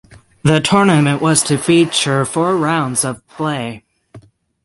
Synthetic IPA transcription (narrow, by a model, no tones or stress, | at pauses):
ðɨtʰɔɹnɨmɨ̃nʔwʔʌz̥tʰɨfit͡ʃə˞fɔɹɹãʊ̃ndzʌv̥pʰl̥eɪ